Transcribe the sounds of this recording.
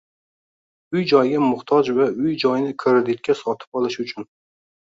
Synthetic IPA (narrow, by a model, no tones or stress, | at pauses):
ʊjd͡ʒɒjɡʲamʊht̪ʰɒd͡ʒvaʊjd͡ʒɒjnɪkʰeɾed̪ɪk̪̚ʲkʲːasɒt̪ʰɪ̥pɒlˠɪʃʊt͡ʃʰʊn